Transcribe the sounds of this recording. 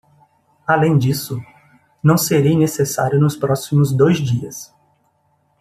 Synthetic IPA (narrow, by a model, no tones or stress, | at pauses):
alẽj̃d͡ʒisʊ | nɐ̃w̃seɾejnesesaɾjʊnʊspɾɔsimʊzd̪ojzd͡ʒiɐs